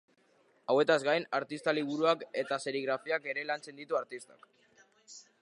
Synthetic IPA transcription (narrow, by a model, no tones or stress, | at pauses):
awe̞t̪azɣajnaɾt̪ist̪aliβ̞uɾuake̞t̪ase̞ɾiɣɾafiake̞ɾe̞lant͡se̞nd̪it̪uaɾt̪ist̪ḁ̰k